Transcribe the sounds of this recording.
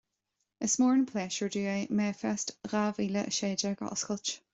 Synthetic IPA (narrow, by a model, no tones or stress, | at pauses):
əsmɔːɹɪ̃npʰl̥eːʃəɹduːemɛːfɛstɾaviːləʔə̰ʃeːdəɡ̥ɔ̰ʔəskʰʊlt͡ʃ